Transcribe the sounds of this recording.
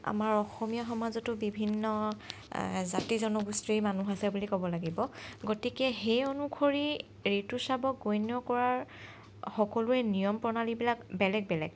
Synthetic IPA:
a̰maɹɔxɔmijɔxɔmazɔtʊbibʱinːɔ | zatizɔnɔɡustimanuɦasɛbulikɔbɔlaɡibɔɡotikɛxejɔnukʰoɹi | ɹetusabɔɡojnɔkɔɹaɹ | xɔkɔlʊɛnijɔmpɔnalibilakbɛlɛɡ̚bɛlɛ̰ɡ

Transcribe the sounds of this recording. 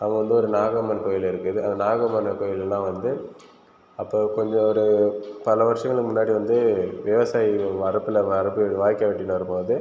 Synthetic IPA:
ɐʋɐɡɐʋɐnd̪ɯɔɾɯnaːɣɐmɐnkoːjɪlɪɾɯkːɯðɯɐ̰nd̪ɐnaːɣɐmɐnɐkoːjɪllãːʋɐnd̪ɯ | ɐpːoːkɔɲd͡ʒɔ̃ɔɾɯpɐlɐʋɐɾʂɐŋɡɐɭɯmʊnːaːɽiʋɐnd̪ɯʋɛʋɐsaːjiʋɐɾɐpːɯlɐʋɐɾɐpːɯʋaːjkːɐʋɛʈːɪnɐɾɯpoːðɯ

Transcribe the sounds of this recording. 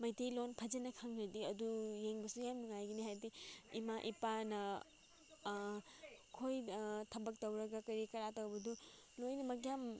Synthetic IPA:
mɐjtejlonpʰɐd͡ʒenɐkʰaŋɾɐdiɐdujeŋbɐsujamluŋajɡɐnihajdiimaʔipanɐ | kʰojtʰɐbɐk̚tɐwɾɐɡɐkɐɾikɐɾatɐwbɐdu | lojnɐmɐɡjam

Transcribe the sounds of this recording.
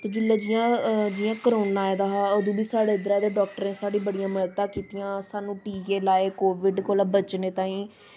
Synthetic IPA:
t̪od͡ʒɪlːaːd͡ʒiːãːd͡ʒiːãːkəɾoːnaːed̪aːɦaːod̪ũːbiːsaːɽeːɪd̪əɾãːd̪eːɖɔːk̚ʈəɾẽːsaːɽiːbəɽijãːməɾt̪ãːkiːt̪ijãːsaːnũːʈiːkeːlaːeːkoːʋɪɖkoːlaːbət͡ʃneːt̪ãːĩː

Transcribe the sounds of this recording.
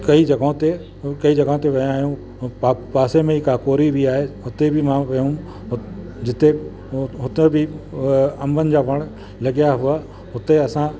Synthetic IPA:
kɐid͡ʑɐɡ̃t̪e | kɐid͡ʑɐɡaõt̪eʋɐjãːɦjũ | paːsemẽikaːkoːɾibiaːɦeɦʊt̪ebʱɪmãʋɐjũ | d͡ʑɪt̪e | ɦʊt̪ebɪ | ɐmbʱənɪ̆d͡ʑaːʋɐɽ̃ | lɐɡijaɦʊa | ɦʊt̪eɐsã

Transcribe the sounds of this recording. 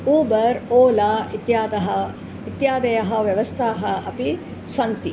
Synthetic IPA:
uːbɐɾoːlaːit̪jaːd̪ɐɦɐ | it̪jaːd̪ɐjɐɦɐʋjɐʋɐst̪ʰaːɦɐɐpi | sɐnt̪i

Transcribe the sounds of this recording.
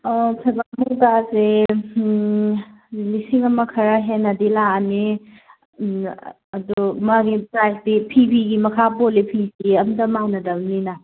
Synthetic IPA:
pʰebaɦudase | lisiŋɐmɐkʰɐɾɐɦenːɐdilani | ɐdumaɡipɾajk̚tipʰibiɡimɐkʰapolipʰisiɐmdɐmanɐdɐmnina

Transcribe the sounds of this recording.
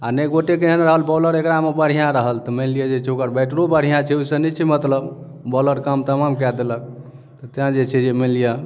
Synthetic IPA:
anəɡoʈek̬eɦənɾəɦəlbɔləɾekɾamebəɽ̤ijãɾəɦəlt̪ɔmelijad͡ʒet͡ʃʰɛokəɾbɛʈɾobəɽ̤ijãt͡ʃʰɛusənit͡ʃʰimət̪ləb | bɔləɾkamt̪əmamkɛd̪elək̚ | t̪ɔt̪ãd͡ʒet͡ʃʰɛd͡ʒemelija

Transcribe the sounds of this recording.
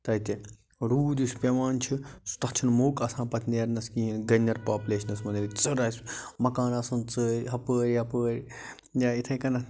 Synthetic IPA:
t̪ɐit̪e | ɾuːd̪ispʲeʋaːnt͡ʃʰist̪ɐt͡ʃʰɐnmoːkɐsãːpɐt̪ʰneːɾnɐskĩːɦinɡɐnːɐɾpaːpuleːʃɐnɐsmɐnd̪ilit͡sɨɾaːsʲmɐkaːnɐsunt͡səːɾɦɐpəːɾʲɐpəːɾʲ | jait̪ʰɐkɐnɐ

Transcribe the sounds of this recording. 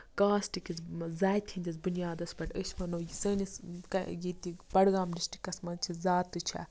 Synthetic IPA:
kãːsʈikit͡szaːjt̪ʰĩnd̪ʲit͡sbunjaːd̪ɐsbɐʈʲɐsmɐnɐwjisɐːniskɐ̰jit̪ibɐɽɡaːmɾisʈi̥kɐsmɐnt͡ʃʰizaːt̪ːɨt͡ʃʰɐ̰

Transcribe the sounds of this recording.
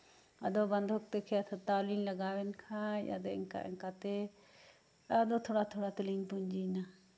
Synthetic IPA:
ɐd̪ɔbɐnd̪ʱɔk̚t̪ɛkʰɛat̪ʰat̪aːliːnlɐɡaːwɛnkʰãja̰d̪eɪ̰ŋka̰ʔɪ̰ŋkat̪ɛ | ad̪ot̪ʰoːɽat̪ʰoɽat̪ɪlinpuɲd͡ʒina

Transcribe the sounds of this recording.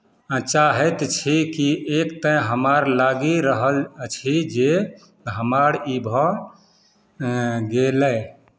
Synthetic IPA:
t͡ʃaɦɛt̪t͡ʃʰikiʔekt̪ə̃ɦəmaɾlaɡiɾəɦəlt͡ʃʰid͡ʒe | ɦəmaɾibʱɔ̃ | ɡelə

